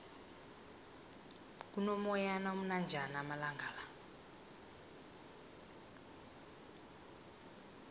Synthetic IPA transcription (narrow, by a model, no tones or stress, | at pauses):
k̬unɔmɔjanamunand͡ʒʱanamalaŋɡʱaːla